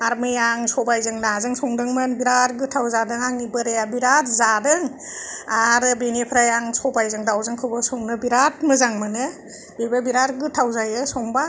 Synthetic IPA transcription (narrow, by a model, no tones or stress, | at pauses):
aɾmɯjaŋsɔbajzɯŋnazɯŋsɔŋdɯŋmɯnbiɾaɾɡɯtʰawzadɯŋaŋnibɯɾejabiɾatzadɯŋaɾɯbinepʰɾajaŋsɔbajzɯŋdawzɯŋkʰɯbɯsɔŋnɯbiɾat̚mɯzaŋmɯnɯ | bibabiɾaɾɡɯtʰawzajɯsɔŋba